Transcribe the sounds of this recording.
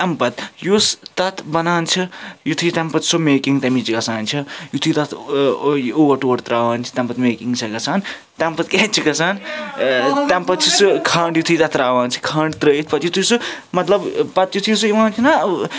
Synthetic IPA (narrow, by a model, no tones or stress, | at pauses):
t̪ɐmpɐt̪just̪ɐt̪ʰbɐnaːnt͡ʃʰɐjut̪ʰujit̪ɐmpɐt̪someːkiŋt̪ɐmit͡ʃikɐsaːnt͡ʃʰɐjut̪ʰujt̪ɐt̪ʰ | oːʋɐɾʈoːɐɾt̪ɾaːʋaːnt͡ʃʰi̥t̪ɛmpɐt̪meːkiŋt͡ʃʰɐkɐsaːn | t̪empɐt̪ket͡ʃʰikɐsaːn | t̪ɐmpɐt̪t͡ʃʰisɨkʰaɳɖjut̪ʰɨjt̪ɐt̪ʰɾaːʋaːnt͡ʃʰi̥kʰɐːɳɖt̪ɾəːjit̪ʰpɐt̪jut̪ʰujsɨmɐt̪lɐbpɐt̪jut̪ʰijsujimaːnt̪ʰinɐ